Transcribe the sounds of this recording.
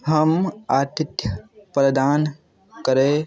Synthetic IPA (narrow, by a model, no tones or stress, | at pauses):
ɦəmaɾt̪it̪jəpɾəd̪aːn | kəɾe